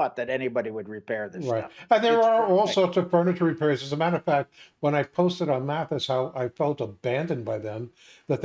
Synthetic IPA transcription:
ʌt̪̚ðɨɾɛnibɑɾiwəd̚ɹipʰɛɹðɪɹaɪɨ̃nðə˞ːɔlˠsɔɹtsʌv̥fɜ˞nɨtʰɔɹipʰɛɹzɨzəmaʊɾəʌv̥fæk̚t̚wə̃ɾ̃aɪpʰoʊstɨɾɑ̃n̩ðæθɨz̥haʊʔaɪfɛlˠtəbæ̃ndɨ̃nbaɪðɨ̃m | ðɨt̪̚ð

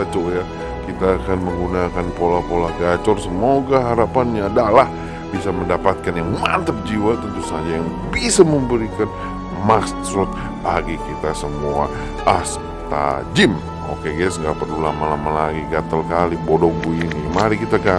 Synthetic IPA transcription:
at͡ʃoja | kit̪aːkanməŋɡunakanpolahpolahɡat͡ʃɔrsəmoɡaɦaɾapanɲaːdalah | bisaməndapat̪̚kanjaŋma̰nt̪ərd͡ʒiwalt̪ənt̪usad͡ʒajaŋbisaməmbəɾikan | mast̪sʊt̪̚ | baɡikit̪asəmua̰ | ʔas | t̪a̰d͡ʒim | o̰keɡɛsŋɡapərlulamalamalaɡiɡat̪əlkalibodɔŋbuinimaɾikit̪aka

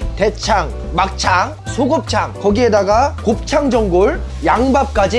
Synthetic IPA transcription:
tet͡ɕʰaŋ | mak̚t͡ɕʰaŋ | sʰoɡɯp̚t͡ɕʰaŋkʌɡiedaɡakop̚t͡ɕʰaŋd͡ʑʌŋɡoɭ | jaŋbap̚k͈ad͡ʑi

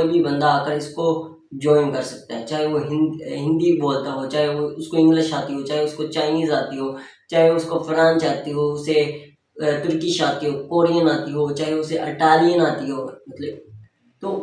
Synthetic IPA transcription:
kobʱibɐ̃nd̪aːkəɾɪsko | d͡ʒɔːɪ̃nkɐɾsɐk̚t̪aɦɛ̃t͡ʃaːɦeʋoɦɪ̃nɦɪ̃nd̪iboːlt̪aɦot͡ʃaːɦeoʊskoɪ̃ŋɡlɪʃaːt̪iɦot͡ʃaːɦeʊskot͡ʃaːɪniːzaːt̪iɦoː | t͡ʃaːɦeʊskofʰɾãːnt͡ʃaːt̪iɦoːʊse | t̪ʊɾkiʃaːt̪iɦoːkoːɾijənaːt̪iɦoːt͡ʃaːɦeʊseʔɐ̰ʈaːlijənaːt̪iɦoːmɐt̪ləb | t̪o

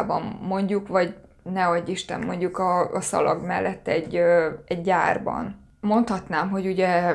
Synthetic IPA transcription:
bɒ̰mmo̞ɲɟukʋɒɟ | nɛɒɟːiʃt̪ɛ̰mːʔo̞ɲɟukɒːsɒ̰lɒ̰ɡmɛlːɛt̪ːɛɟɛɟːaːrbɒ̰n | mo̞nt̪hɒt̪naːmɦo̞ɟuɟɛ

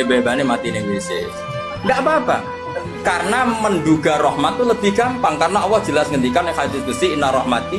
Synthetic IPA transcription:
ebebanemat̪ineŋwisḛ | ŋɡaʔapaːpa̰ | karnamənd̪uɡarɔhmat̪ːuləbihkampaŋkarnaɔwɔ̥d͡ʒ̥əlasŋənd̪ikanekajit̪iskusiːnarɔhmat̪̚i

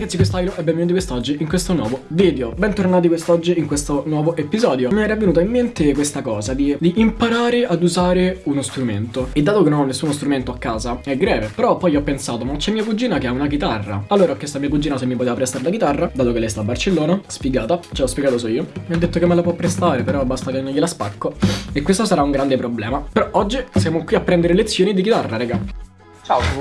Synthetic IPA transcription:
ɡat̪sikwes̬t̪oajloʔɛbːɛnvenuːt̪ikwest̪ɔd͡ʒːiiŋkwest̪onwɔːvoviːd̪eobɛnt̪ornaːt̪̬ikwest̪ɔd͡ʒːiiŋkwest̪onwɔːvoʔepizɔːd̪jononɛːɾavːenuːt̪̬ainːɛnt̪ekwest̪akɔ̰ːzad̪id̪iʔimpaɾaːɾeʔad̪uzaːɾeunost̪ɾument̪oed̪ːaːt̪ok̬enːonanːesːuːnost̪ɾument̪oakːaːzaɛɡɾɛːvepeɾɔpːɔjɔpːensaːt̪omat͡ʃːɛmːiːakud͡ʒːiːnakeaunak̟it̪a̰rːa̰alːoːɾaɔkjest̪amiːakud͡ʒiːnasemːipot̪eːvapɾest̪aːɾelakit̪arːad̪aːt̪okelɛjst̪aːbːart͡ʃelːɔːnasfiɡaːt̪at͡ʃɛlɔspjeɡat̪os̬ɔiːomiɔd̪ːet̪ːokemːelapwɔpːɾest̪aːɾepeɾɔbːast̪akenːoʎjilaspa̰kːoekːwest̪osaɾauŋɡɾand̪epɾoblɛ̰ːmapeɾɔʔɔd͡ʒːisjaːmokwiapːɾɛnd̪eɾelet̪sːjoːnid̪ikit̪arːaɾɛːɡa | t͡ʃa

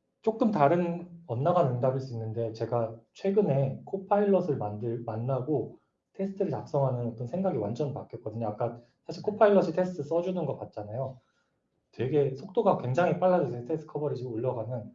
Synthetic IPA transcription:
t͡ɕ͈ok͈ɯmtaɾɯnʌnːaɡanɯndabiɭs͈uinːɯnde̞t͡ɕe̞ɡat͡ɕʰwe̞ɡɯne̞kʰopʰaiɭːʌsʰɯɭmadɯmanːaɡo | tʰe̞sʰɯ̥tʰɯɾɯɭtak̚s͈ʌŋɦanɯnʌt͈ʌnsʰe̞ŋɡaɡiwand͡ʑʌnpak͈jʌt̚k͈ʌdɯɲoak͈a | sʰaɕʰiɭkʰopʰaiɭːʌɕʰitʰe̞sʰɯ̥tʰɯs͈ʌd͡ʑunɯnɡʌp͈at̚t͡ɕ͈anajo | twe̞ɡe̞sʰok̚t͈oɡakwe̞ŋd͡ʑaŋɦip͈aɭːad͡ʑosʰetʰestʰɯ̥kʰʌbʌɾit͡ɕʰioɭːʌɡanjɯn

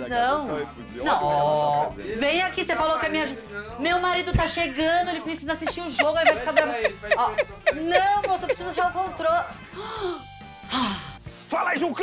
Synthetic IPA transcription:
zɐ̃w̃ | nɐ̃w̃ | vẽj̃akisefalokɪɐmĩɲɐʒ | mewmaɾid̪ʊt̪aʃeɡɐ̃nd̪ʊelɪpɾesizɐasist͡ʃiɾʊʒoɡʊelɪvajfi̥kaɾbɾavɔnɐ̃w̃osepɾesizaʃaɾʊkõnt̪ɾolʊ | a | falaʒũk

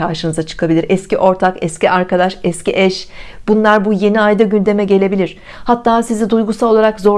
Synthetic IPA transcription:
aɾʃɯnɯzat͡ʃʰɯ̥kʰabilʲiɾɛsciʔo̞ɾt̪ʰakɛsciʔaɾkad̪aʃɛsciʔɛʃbunlˠaɾbuje̞niajd̪aɟynd̪e̞mɛɟe̞lʲe̞bilʲiɾ̥ | hat̪ːaːsizid̪ujɡusalˠo̞lˠaɾakzo̞

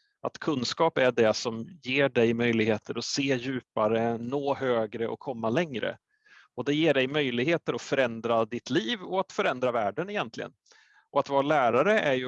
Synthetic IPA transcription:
ʔat̪kʰɵnskɑːpæɖɛsɔmjeːɖɛjmœjlɪɡheːt̪ʰəɾɔseːjʉ̟ːpaɾənoːɦøːɡɾəʔɔ̰kʰːɔmːalɛŋɾə̰ | ɔd̪ɛjeːɖɛjmœjlɪɡheːt̪əɾɔfœɾɛnd̪ɾad̪ɪt̪ʰliːvɔat̪fœɾɛnd̪ɾavæːɖənɛjɛnt̪ʰlɪɡə̰n | ʔɔat̪vɑːɾalæːɾaɾəʔæɾjɵ

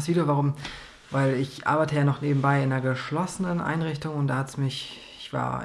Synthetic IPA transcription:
sv̥iːdovaʁ̞ʊm | vaɪlɪçʔa̰ɐbaɪtəjaːnɔχneːbm̩baɪɪnɐɡəʃlɔsənənʔa̰ɪnʁɪçtʊŋʊnt̚d̥aːhatsmɪç | v̥a̰ːɐ

